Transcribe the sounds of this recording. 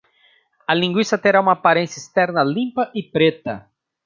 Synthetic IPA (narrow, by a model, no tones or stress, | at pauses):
ɐlĩŋɡwisɐt̪eɾaũmɐːpaɾẽnsjɐist̪ɛɾnɐlĩmpɐʔɪpɾet̪ɐ̰